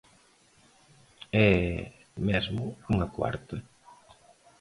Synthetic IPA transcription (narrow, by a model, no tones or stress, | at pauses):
ɛ | mɛzmʊuŋɐkwa̰ɾt̪ɐ